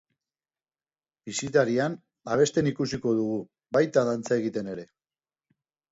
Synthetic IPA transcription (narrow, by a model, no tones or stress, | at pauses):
bisit̪aɾian | aβ̞e̞st̪e̞nikusiko̞ðuɣ̞u | βajt̪aðant͡sae̞ɣit̪e̞ne̞ɾe̞